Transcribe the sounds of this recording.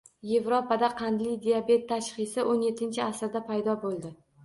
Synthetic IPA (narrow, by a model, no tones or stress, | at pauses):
je̞vɾopad̪aqʰɑnd̪lɪjd̪ijabe̞t̪ʰːaʃχɨsɪʔonjet̪ʰːɪnt͡ʃʰɪasɾd̪apʰajd̪ɒbolˠd̪ɪ